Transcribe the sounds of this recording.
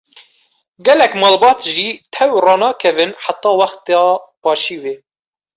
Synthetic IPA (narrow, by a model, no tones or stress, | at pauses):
ɡɛlɛkmɑːlbɑːt̪ʒiːt̪ʰɛwrɑːnɑːkʰɛvɨnħat̪ːɑːwɑxt̪jɑːpɑːʃiːweː